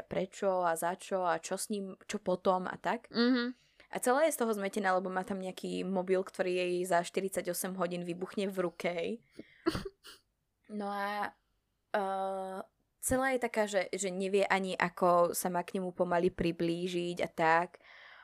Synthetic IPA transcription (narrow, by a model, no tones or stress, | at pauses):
pɾɛt͡ʃɔazat͡ʃɔat͡ʃɔsɲiːmt͡ʃɔpɔt̪ɔma̰t̪ak̩ɦ | ʔa̰t͡sɛlaːjɛst̪ɔɦɔzmɛcɛnaːlɛbɔmaːt̪amɲɛakʰiːmɔbilˠkt̪ɔɾiːjɛjzaʃt̪iɾit͡saɟɔsɛmɦɔɟiːnʋibuxɲɛvɾukɛɦɛj | nɔa | t͡sɛlaːjɛt̪akaːʒɛʒɛɲɛʋɪɛʔaɲiʔakʰɔsamaːkɲɛmupɔmalipɾibliːʒiɟa̰t̪ak